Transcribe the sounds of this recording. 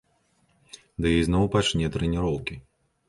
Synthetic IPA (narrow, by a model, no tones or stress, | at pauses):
d̪ɨjijznɔwpat͡ʂnʲɛt̪ɾɛnʲiɾɔwkʲi